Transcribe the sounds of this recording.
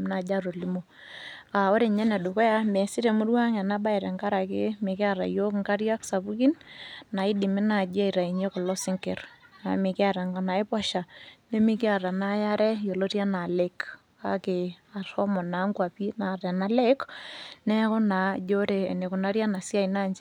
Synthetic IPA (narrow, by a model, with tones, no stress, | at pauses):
m˦na˨d͡ʒa˦ɾo˨li˦mo˨ | a˨o˦ɾe˨ɲɛ˦nɛ˨du˨kɔ˦ja˦mɛ˨si˦ɾe˨mʊ˦rwa˦ŋa˨na˦ba˦i˨ɾɛ˨ŋka˦ɾa˨ke˦me˨ke˦a˦˨ɾa̰˨jo˦kŋka˦ɾja˦ksa˨bu˦ki˦nna˨i˦di˨mi˦na˨d͡ʒa˦i˨ɾa˨i˨ɲo˦kɔ˨lɔ˦sɪ˦ŋke˨ɾna˨me˨kɪ˦a˦˨ɾa˨ŋɡa˨na˨e˦pwa˦ʃa˨ne˦mi˦kɪ˦a˨ɾa˨na˦ja˦ɾɛ˦jo˨lo˦ɾja˦na˨le˦k | a˦ke˨a˨ɾɔ˦mɔ˨na˨˦ŋkwa˨pi˦na˨ɾɛ˨na˦le˦knɛ˦kʊ˦na˨d͡ʒo˦ɾe˨ne˨kʊ˨na˦ɾja˦na˨sja˦i˨na˦˨ɲd͡ʒe˦